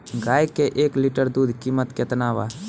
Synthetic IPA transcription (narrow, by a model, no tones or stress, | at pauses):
ɡaːjkːeʔeːklɪʈəɾd̪uːd̪ʱkiːmət̪ket̪ənaːʋa̰ː